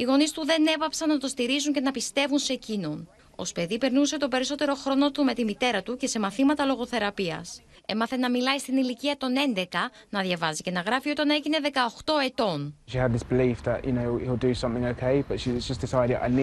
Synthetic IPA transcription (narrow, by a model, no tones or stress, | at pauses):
iɣo̞nist̪uðe̞ne̞pɐpsɐnnɐt̪o̞st̪iɾizuɲce̞nɐpist̪e̞vunsecino̞n | o̞̰spe̞ðipe̞ɾnuse̞t̪ope̞ɾiso̞t̪e̞ɾo̞xɾo̞no̞t̪ume̞t̪imit̪e̞ɾɐt̪uce̞se̞mɐθimɐt̪ɐlo̞ɣo̞θe̞ɾɐpiɐ̰s | e̞mɐθe̞nɐmilɐjst̪iniliciɐt̪o̞ne̞nd̪e̞kɐnɐðʝɐvɐzice̞nɐɣɾɐfio̞t̪ɐneʝine̞ðe̞kɐoxt̪o̞e̞t̪o̞nʃiəd̪̚ðɪsb̥ɪliˑfðə̰ʔjʔɨnoʊilˠdəsʌ̃mθɪ̃ŋəʊkʰeɪb̥ʌtʃid͡ʒʌsd̥ɪsaɪɾɪda̰ɪn